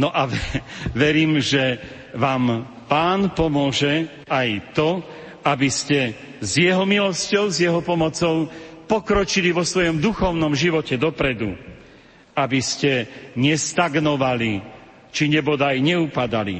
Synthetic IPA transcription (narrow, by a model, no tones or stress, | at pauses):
nɔʔa | ʋɛɾiːmʒɛ | ʋaːm | paːnpɔmʊɔʒɛ | ajt̪ɔ | abiscɛ | zjɛɦɔmilɔscɔʊzjɛɦɔpɔmɔt͡sɔʊpɔkɾɔt͡ʃiliʋɔsʋɔjɔmd̪uxɔʊnɔmʒiʋɔcɛd̪ɔpɾɛd̪ṵ | abiscɛɲɛst̪aɡnɔʋali | t͡ʃiɲɛbɔd̪ajɲɛupad̪alḭ